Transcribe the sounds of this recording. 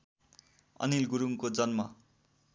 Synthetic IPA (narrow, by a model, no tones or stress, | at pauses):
ʌ̰nilɡuɾuŋkod͡zʌnmʌ̰